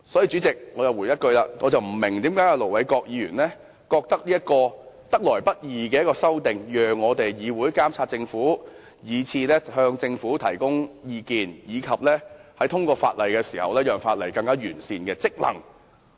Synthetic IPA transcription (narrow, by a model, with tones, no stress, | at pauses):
sɔː˨˥jiː˧t͡sy˨˥t͡sɪ˨k̚ŋɔː˨˧jɐ˨wu˨˩jɐ˥t̚kɵ˧ɥlaː˧ŋɔː˨˧t͡sɐ˨wm̩˨˩mɪ˨˩ŋt̪iː˨˥mkaː˨˥ja˧lo˨˩wɐ˨˥jkɔː˧k̚jiː˨˧jyː˨˩nlɛː˥ | kɔː˧k̚t̪ɐ˥k̚liː˥jɐ˥t̚kɔː˧t̪ɐ˥k̚lɔː˨˩jpɐ˥t̚jiː˨kɛː˧jɐ˥tkɔː˧sɐ˥wt̪ɪ˨ŋjœː˨ŋːɔː˨˧t̪e˨jjiː˨˧wuː˨˥jkaː˥mt͡sʰaː˧t̚t͡sɪ˧ŋfuː˨˥ | jiː˨˧t͡sʰiː˧lɛː˥hœː˧ŋt͡sɪ˧ŋfuː˨˥t̪ʰɐ˨˩jkʊ˥ŋjiː˧kiː˨njiː˨˧kʰɐ˨p̚lɛː˥hɐ˨˥jt̪ʰʊ˥ŋkɔː˧fa̰ː˧t̚lɐ˨jkɛː˧siː˨˩hɐ˨wlɛː˥jœː˨˩ŋfaː˧t̚lɐ˨˩jkɐ˧ŋkaː˥jyː˨˩nsiː˨nkɛː˧t͡sɪ˥k̚lɐ̰˨˩ŋ